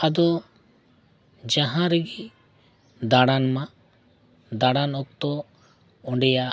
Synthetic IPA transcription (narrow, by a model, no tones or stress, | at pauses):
ad̪ɔ | d͡ʒaɦãɾɛɡi | d̪aɽanmã | d̪aɽanɔk̚t̪ɔ | ɔɳɖɛja